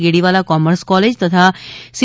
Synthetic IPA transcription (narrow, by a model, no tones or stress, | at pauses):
ɡeɽiʋalakɔməɾskɔled͡ʒt̪ət̪ʰas